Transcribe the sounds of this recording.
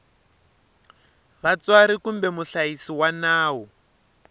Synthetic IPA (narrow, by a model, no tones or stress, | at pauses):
βat͡swaɾikumbɛmuɬaisiwanaːwɔ